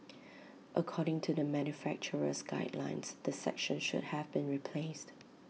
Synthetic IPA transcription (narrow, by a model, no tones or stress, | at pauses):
ʔəkʰɔɾɪ̃ŋtʰudəmæ̃njufæk̚t͡ʃəɹə̰sɡa̰ɪdlã̰ɪ̃nsðəsɛ̰kʃə̃nʃʊ̰d̚hævbĩnɹipʰlest